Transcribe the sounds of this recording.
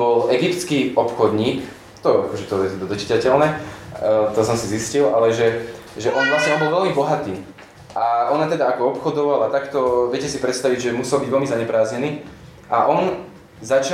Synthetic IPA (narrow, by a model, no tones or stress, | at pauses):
bɔlʔɛɡipt̪t͡skiɔpxɔd̪ɲiːk | t̪ɔakɔʒɛt̪ɔɛd̪ɔd̪ɔt͡ʃi̥t̪acɛlnɛ | t̪ɔsɔmsiziscilalɛʒɛ | ʒɛʔɔnvlasɲɛɔnbɔlʋɛlmibɔɦat̪iː | ʔaɔnat̪ɛd̪aakɔɔpxɔd̪ɔʋalat̪akt̪ɔʋɛcɛsipɾɛt̪st̪aʋiɟʒɛmusɛlˠbiɟʋɛlmizaɲɛpɾaːzɲɛniː | ʔaʔɔn | zat͡ʃa